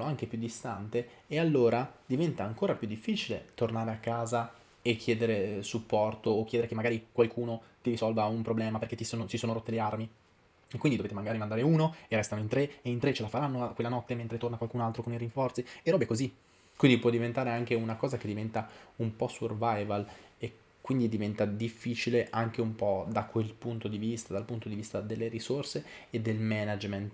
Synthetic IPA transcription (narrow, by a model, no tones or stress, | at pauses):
oaŋk̟epjud̪ːist̪ant̪eealːoːɾad̪ivɛnt̪aːŋkoːɾapjud̪ːifːiːt͡ʃilet̪ornaːɾeakːaːza | ekʰːjɛːd̪eɾesupːɔrt̪oːk̟jɛd̪eɾekemːaɡaːɾikwalkʰuːnot̪iɾisɔlvaumpɾoblɛːmaperket̪t͡ʃːisonot͡ʃisoːnoɾot̪ːelearmi | ekːwindid̪ovet̪emaŋɡaɾimand̪aːɾeuːnoerɛst̪anoint̪ɾeeint̪ɾet͡ʃːelafaɾanːoakwelːanɔt̪ːement̪ɾet̪ornakwalkuːnoalt̪ɾokoniɾiɱfɔrt̪sieɾɔːbekozi | kwind̪ipwɔd̪ivent̪aːɾeaŋk̟eunakɔːzak̟ed̪ːivɛnt̪aumpɔsurvajvale | kːwind̪id̪ivɛnt̪ad̪ifːiːt͡ʃileʔaŋk̟eumpɔd̪akwelpunt̪od̪ivist̪ad̪alpunt̪od̪ivist̪ad̪elːeɾisorseː | d̪ːelmɛnad͡ʒment̪